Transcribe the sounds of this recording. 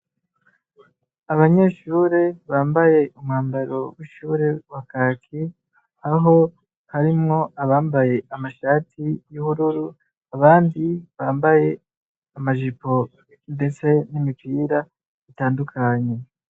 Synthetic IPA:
aβaɲe̞ːʃuːɾe̞βaːmbaje̞umŋaːmbaɾo̞wiʃuːɾe̞wakakʰi | aɦo̞ | haɾimŋo̞aβaːmbaje̞ʔamaʃaːtʰijuhuɾuɾu | aβaːndiβaːmbaje̞ | amaʒipo̞ | nde̞t͡se̞nimipiːɾa | itaːndukʰaɲe̞

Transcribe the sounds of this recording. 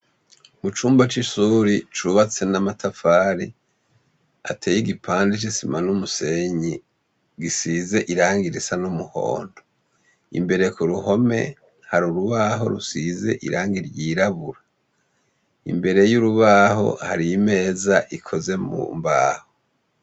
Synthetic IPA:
mut͡ʃuːmbat͡ʃiʃuːɾit͡ʃuβat͡se̞namatʰafaːɾi | a̰tʰeːjiɡipʰaːndit͡ʃisimanumuse̞ɲi | ɡisiːze̞ʔiɾaːŋɡiɾisanumuho̞̰ːndo | ḭmbe̞ɾe̞kuɾuho̞me̞̰ | haɾuɾuβaɦo̞̰ɾusize̞̰ʔḭɾʔaːŋɡiɾjiːɾaβuɾa | ḭmbe̞ɾe̞juɾuβaho̞̰haɾiime̞ːzaʔikʰo̞ze̞mṵmba̰ːho

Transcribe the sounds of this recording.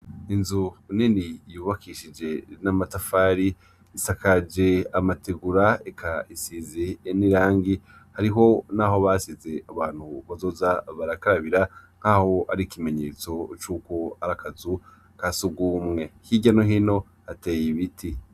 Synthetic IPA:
inzuuninijuːβakʰiʃid͡ʒe̞namatafaːɾi | isakad͡ʒe̞amateɡuɾaekʰaisizeːniɾaːŋɡi | haɾiɦo̞naːɦo̞βaːsize̞aβaːn̥huβazo̞ːzaβaɾakaɾaβiɾaŋ̥haho̞aɾikime̞ɲe̞ːt͡so̞t͡ʃuːko̞akazu | kasuɡuːmŋe̞hiɟano̞ɦino̞ | hate̞ːjiβiti

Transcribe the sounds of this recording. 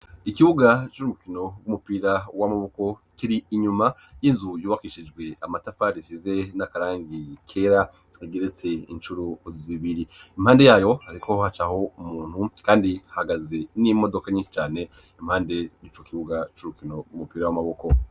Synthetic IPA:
ikiβuɡat͡ʃuɾumukino̞ɡumupiːɾawamaβoko̞ | kiɾiiɲuma | jinzujuːβakiʃid͡ʒɡwe̞amatafaɾisize̞nakaɾaːŋɡikʰeɾa | eɡeɾet͡se̞int͡ʃuɾoziβiɾiimhaːnde̞jaːjo̞aɾikʰo̞hat͡ʃaho̞umuːn̥hukaːndiahaɡaze̞nimo̞do̞kaɲiːnʃi̥t͡ʃaːne̞im̥haːnde̞nit͡ʃokiβuɡat͡ʃuɾukino̞ɡwumupiːɾawamaβoko̞

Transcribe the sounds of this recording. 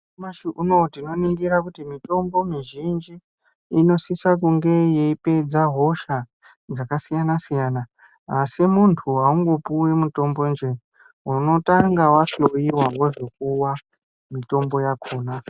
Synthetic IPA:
maʃiʔuno̞tino̞niŋɡiɾakutimito̞mbo̞miʒind͡ʒiː | no̞sisak̬uŋɡe̞je̞ipe̞d͡zaɦo̞ʃa | d͡zakasijanasijaːnaː | simuntʰuɦauŋɡo̞puwemuto̞mbo̞nd͡ʒe | wuno̞taŋɡawasojiwawoʐok̚uwa | mito̞mbo̞jakʰoːna

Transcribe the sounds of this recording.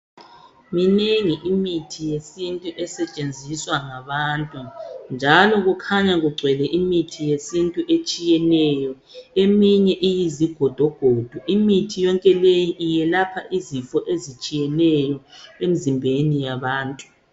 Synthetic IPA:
mineŋiʔimitʰijesintʼuʔɛsɛt͡ʃʼend͡zʱiswaŋaβaːntʼund͡ʒʱalɔɣukʰaɲaɣuɡ͡ǀʱwɛlɛʔimitʰijesintʼuʔet͡ʃʼijɛnɛjɔ | emiɲɛʔijiziɡ̥ʱɔd̥ʱɔɡ̥ʱod̥ʱuʔimitʰijɔŋkʼɛlejiʔijɛlapʰaʔizifɔʔezit͡ʃʼijɛnɛjɔem̩zimbʱenijaβaːntʼu

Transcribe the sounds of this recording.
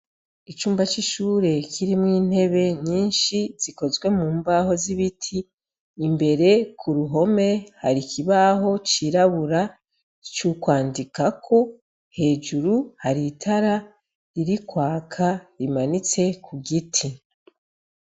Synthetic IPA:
it͡ʃuːmbat͡ʃiʃuːɾe̞kʰiɾimŋiːn̥he̞βe̞ɲiːnʃiz̥iko̞zɡwe̞muːmbaho̞ziβitʰiː | mbe̞ɾe̞kʰuɾuɦo̞me̞haɾikʰiβaɦo̞t͡ʃiɾaβuɾa | t͡ʃukwaːndikakʰo̞ | he̞ːd͡ʒuɾuhaɾitʰaɾa | ɾiɾikwaːkʰaɾimanit͡se̞kʰuɡitʰi

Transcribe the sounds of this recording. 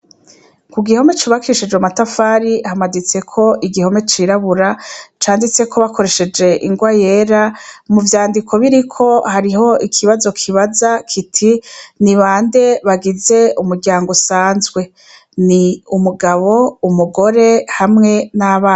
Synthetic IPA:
kuɡiho̞me̞t͡ʃuβakʰiʃid͡ʒwamatafaːɾihamadit͡se̞kʰo̞ʔiɡiho̞me̞t͡ʃiːɾaβuɾat͡ʃaːndit͡se̞kʰo̞βakʰo̞ɾe̞ʃe̞d͡ʒe̞ʔiŋɡwaje̞ːɾamuvjaːndikʰo̞βiɾikʰo̞haɾiɦo̞ikʰiβazo̞kʰiβazakʰitʰiniβaːnde̞βaɡize̞umuɾɡɟaːŋɡosaːnzɡwe̞ | niumuɡaβo̞umuɡo̞ɾe̞hamŋe̞naβaː

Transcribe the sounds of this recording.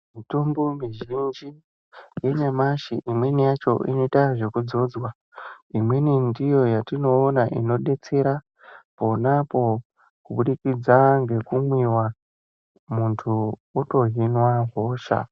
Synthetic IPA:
mitombomiʒind͡ʒi | je̞ɲamaʃiʔimwe̞nijat͡ʃo̞̰ʔḭno̞itaʐe̞kud͡zo̞d͡zwa | imwe̞nindijo̞jatino̞ːnaʔino̞ɗe̞t͡se̞ɾa | po̞napo̞ | kuɓuɗikid͡zaŋɡe̞kumwiwa | muntʰuuto̞ɦinwaɦo̞ʃa̰

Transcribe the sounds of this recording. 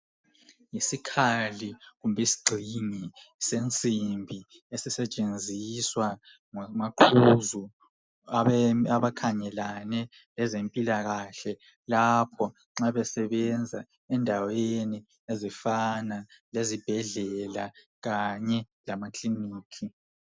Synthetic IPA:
jisikʰaliɣumbʱɛisi̥ɡ͡ǀʱiŋisent͡sʼimbʱi | esisɛt͡ʃʼend͡zʱiswa | ŋmaǃʰuzu | aaβakʰaɲɛlanɛ | lɛzempʼilaɣaɬɛ | lapʰɔ | ŋ͡ǁaβɛsɛβɛnd͡zʱa | ɛndʱaweni | ezifanalezib̥ʱɛɮɛla | ɣaɲɛ | lamakʰliniːkʰi

